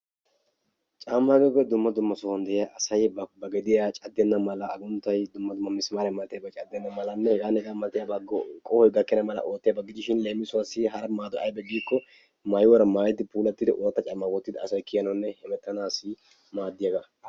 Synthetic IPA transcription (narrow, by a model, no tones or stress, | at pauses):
t͡ʃʼaːmːaɡɔɡɛd̪ʊmːɐd̪ʊmːɐsɔhɐnd̪ɛʔɪjaʔɐsɐjbɐɡɛd̪ɪjat͡ʃʼɐd̪ːɛnːɐmɐlɐːɡʊnt̪ːɐjd̪ʊmːɐd̪ʊmːɐmɪsmaːɾɛmɐt̪ːɪjɐbɐt͡ʃʼɐd̪ːɛnːɐmɐlɐnːɛhɛɡaːnɛɡaːmɐt̪ːɪjabɐɡkʼɔhɔjɡɐkːɛnɐmɐlɐ̰ʔoːt̪ːɪjɐbɐɡɪd͡ʒɪʃɪnleːmːɪsʊwasːɪɦɐɾɐmaːd̪ɔʔɐ̰jbɛɡiːkːɔ | mɐjɪwɔɾɐmaːjɛt̪ːɪpuːlɐt̪ːɪd̪ɛʔoːt̪ːɐt͡ʃʼɐmːɐɡɔt̪ːɪd̪ɐɐsɐjkɪjɐnɐnːɛhɛmɛt̪ːɐnaːsɪ | maːd̪ːɪjɐɡɐ